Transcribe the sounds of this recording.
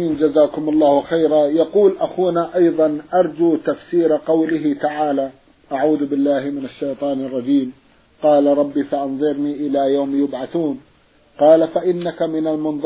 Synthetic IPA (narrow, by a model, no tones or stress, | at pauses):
iːnd͡ʒazaːkʊmɑlˤːɑːhwxajɾajɑquːlʔaxuːnaʔɑjðˤɑnʔɑɾˤd͡ʒuːt̪afsiːɾqɑwlɪɦɪt̪aʕaːla | ʔaʕuːðbɪlːaːhmɪnaʃːajt̪ˤɑːnɑrˤːɑd͡ʒiːm | qɑːlaɾˤɑbːifaʔɑnðˤɨɾniʔɪlajaːmjʊbʕaθuːn | qɑːlafaʔɪnːakamɪnalmʊnðˤ